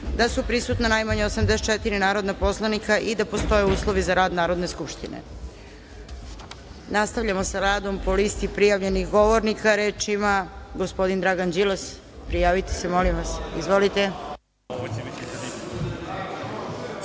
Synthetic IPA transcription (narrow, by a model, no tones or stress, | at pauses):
d̪asupɾisut̪nanajmaɲeosamd̪eset̪t͡ʃet̪iɾinaːɾo̞d̪napo̞slˠanikaʔid̪apo̞st̪o̞jeuːslˠo̞ʋizaɾaːd̪naːɾod̪ne̞skupʃt̪inḛ | nast̪aʋʎamosaɾaːd̪o̞mpo̞list̪ipɾijaʋʎe̞nixɡo̞ʋoɾnikaɾe̞ːt͡ʃimaɡospo̞d̪ind̪ɾaɡand͡ʒiles | pɾijaːʋit̪e̥semolimʋasizʋo̞lit̪e̞